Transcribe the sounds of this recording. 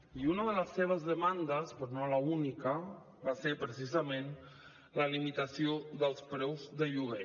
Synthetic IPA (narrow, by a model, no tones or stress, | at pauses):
iunəðələsːeβ̞əzðəmand̪əspɾonoləunikə | baseɾpɾəsizəmen | ləlimit̪əsioðəlˠspɾɛwzðəʎuɣe